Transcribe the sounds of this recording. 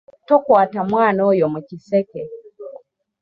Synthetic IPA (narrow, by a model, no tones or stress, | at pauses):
tɔkwatamwaːnɔjɔmɛkisɛkɛ